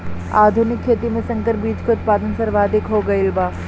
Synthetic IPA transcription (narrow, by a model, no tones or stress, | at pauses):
aːd̪ʱunɪkʰːeːt̪imẽsɐ̃ŋkəɾbiːd͡ʒkoʊt̪̚paːd̪ənsɐɾʋaːd̪ɪkɦoɡɐɪlbaː